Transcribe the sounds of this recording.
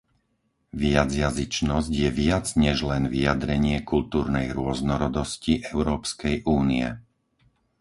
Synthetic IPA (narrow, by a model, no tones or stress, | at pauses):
ʋɪad͡zjazit͡ʃnɔzɟjɛʋɪad͡zɲɛʒlɛnʋijad̪ɾɛɲɪɛkult̪uːɾnɛjɾʊɔznɔɾɔd̪ɔsciʔɛʊɾɔːpskɛjʔuːniɛ̰